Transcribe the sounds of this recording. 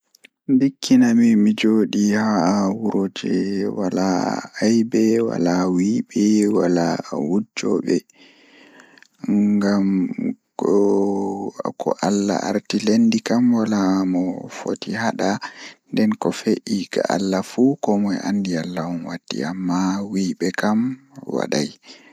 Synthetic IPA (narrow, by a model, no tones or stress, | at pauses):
ndikːinamimid͡ʒoɗihawuɾod͡ʒɛwalaajbɛwa̰lawibɛwalawud͡ʒɔ̰ɓɛ | ɡam | kɔ̰ʔalːa̰ʔaɾtilendikamwalamɔfo̰tihaɗandɛnkɔfeʔikaʔalːafukɔmɔja̰ndialːaɔnwatːḭamːawiɓɛkamwa̰ɗaj